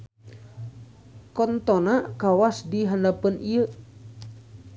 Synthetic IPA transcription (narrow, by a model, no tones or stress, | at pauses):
kɔnt̪ɔnakawasdiɦandapənʔiə